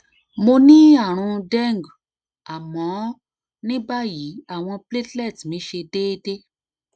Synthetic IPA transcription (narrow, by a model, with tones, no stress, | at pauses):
mo˧nĩ˦a˦˨ɾ̃ũ˧dɛ˦˨ŋ˨ɡ | a˨mɔ̃˨˦ | nĩ˦ba˦ji˨˦a˦˨w̃ɔ̃˧ple˦tlɛ˦˨tmĩ˨˦ʃe˧de˦de˦